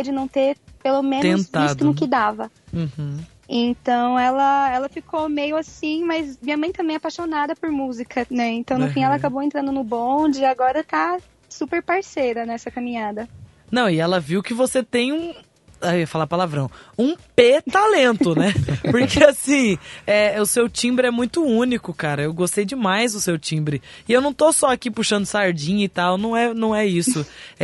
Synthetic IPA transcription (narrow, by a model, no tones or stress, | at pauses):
d͡ʒɪnɐ̃w̃t̪eɾpelomẽnẽt̪aisd̪ʊnʊkɪd̪avɐ | ũh | ẽt̪ɐ̃w̃ɛlɐɛlɐfikʰomejʊasĩmɐjzmĩɲɐmɐ̃j̃t̪ɐ̃mbẽj̃apaʃonad̪ɐpʊɾmuzikʰɐnɛẽnt̪ɐ̃w̃nʊfĩɛlɐakabowẽnt̪ɾɐ̃nd̪ʊnʊbõd͡ʒɪaɡɔɾɐt̪a | supeɾpaɾsejɾɐnɛsɐkɐ̃mĩɲad̪ɐ | nɐ̃w̃ɪɛlɐviwkɪvoset̪ẽj̃ũ | aiɐfalapalavɾɐ̃w̃ũpet̪alẽnt̪ʊnɛppoɾkeasĩɛʊsewt͡ʃĩbɾɪɛmũj̃t̪ʊũnikʊkaɾɐewɡost̪ejd͡ʒɪmajzd̪ʊsewt͡ʃĩbɾɪɪewnɐ̃w̃t̪osɔakipuʃɐ̃nd̪ʊsaɾd͡ʒĩɲɐɪt̪awnɐ̃w̃ɛnɐ̃w̃ɛisʊ